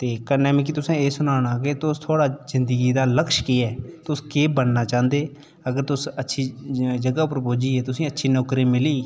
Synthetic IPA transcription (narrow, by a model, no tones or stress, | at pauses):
t̪eːkənːɛːmɪ̃ːk̬it̪ʊsẽːeːsʊnaːɽ̃aːk̬ɪt̪ʊst̪ʰoːɽaːzɪnd̪əɡiːd̪aːləkʃkiːɛːt̪ʊskeːbənːaːt͡ʃãːnd̪eː | əɡəɾt̪ʊsətːʃʰiːd͡ʒəɡaːʊpːəɾpoːd͡ʒiːɛːt̪ʊsĩːətːʃʰiːnɔːkɾiːmɪliː